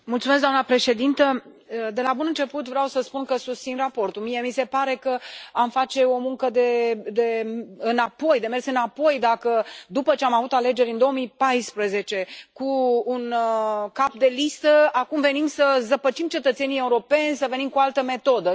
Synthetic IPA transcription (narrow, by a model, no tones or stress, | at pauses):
mult̪sumes̬kɡd̪amnəpɾe̞ʃe̞d̪int̪ə | d̪e̞labunɨnt͡ʃe̞put̪vɾeawsəspunkəsust̪sinrapo̞rt̪ulmije̞mise̞paɾe̞kəamfat͡ʃe̞o̞muŋkəd̪e̞d̪e̞ɨnapo̞jd̪e̞mersɨnapo̞jd̪akəd̪upət͡ʃe̞amavut̪ale̞d͡ʒe̞ɾʲɨnd̪o̞omijpajspɾəze̞t͡ʃe̞kuːnkap̚d̪e̞list̪əakumve̞nimsəzəpət͡ʃimt͡ʃe̞t̪ət̪se̞nie̞uɾo̞pe̞nʲsəve̞nimkoalt̪əme̞t̪o̞d̪ə